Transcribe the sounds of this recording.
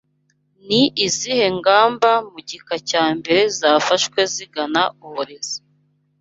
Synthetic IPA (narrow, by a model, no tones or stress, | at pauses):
niʔizihe̞ŋɡaːmbamuɟikacaːmbe̞ɾe̞zaːfaʃkwe̞ziɡanauhoɾez̥ḁ